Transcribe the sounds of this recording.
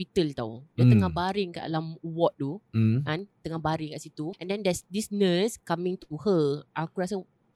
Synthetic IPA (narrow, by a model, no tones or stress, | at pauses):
it̪əlt̪a̰wdat̪əŋahbaɾɪŋkaʔlamwɔt̪̚t̪ukant̪əŋahbaɾiŋkaʔsit̪uʔɛ̃ndɛndɛsdisnəskamĩŋt̪uhəʔakuɾas̬a